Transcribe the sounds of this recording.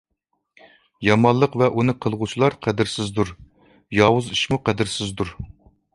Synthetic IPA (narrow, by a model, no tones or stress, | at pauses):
jɑmɑnlˠəqvɛʔunɨqʰəlˠʁut͡ʃʰilˠɑɾqʰæd̪ɪɾsɪzd̪uɾ | jɑwuziʃmuqæd̪ɪɾsɪzd̪uɾ